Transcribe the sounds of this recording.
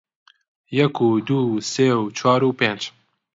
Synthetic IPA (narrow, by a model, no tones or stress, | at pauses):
jɛkuːd̪uːseːwt͡ʃʰɑːɾuːpẽnd͡ʒ